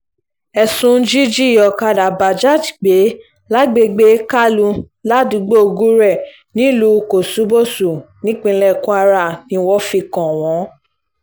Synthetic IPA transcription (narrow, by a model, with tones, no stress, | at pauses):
ɛ˨sũ˨˦d͡ʒi˦d͡ʒi˦˨ɔ˨ka˧da˨ba˨d͡ʒa˦˨tɡ͡be˨˦ | la˦ɡ͡be˧ɡ͡be˦ka˦lu˧ | la˦du˨˧˦ɡ͡bo˦o˧ɡu˦ɾɛ˦˨ | nĩ˦lu˧˦˧ko˨su˨˦bo˦˨su˨nĩ˨˦k͡pĩ˧lɛ˦˨kũ˦a˧ɾa˧˨nĩ˧˦wɔ˦fi˧kɔ̃˨w̃ɔ̃˨˦